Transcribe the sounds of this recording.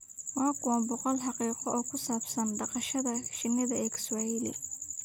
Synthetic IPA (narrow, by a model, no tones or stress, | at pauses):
wɑːkʰʊwɐmbɔqɔlħɑqiːqɔʔɔːkʰʊsaːbsɐnɖɑqɑʃɐðɐʃɪnːɪðɐɛːkswajɪlɪ̰